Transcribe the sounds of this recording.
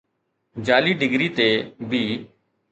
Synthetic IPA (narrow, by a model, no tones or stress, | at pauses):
d͡ʒaːliːɖɪɡɾiːt̪eːbʱiː